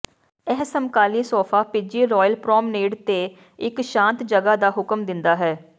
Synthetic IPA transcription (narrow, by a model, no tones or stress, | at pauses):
ɛɦsəmkaːliːsɔːfʰaːpɪd͡ʒiːɾɔːjəlpɾɔːmneːɖt̪eː | ɪkʃãːnt̪d͡ʒəɡaːd̪aːɦʊkəmd̪ɪnd̪aːɦɛː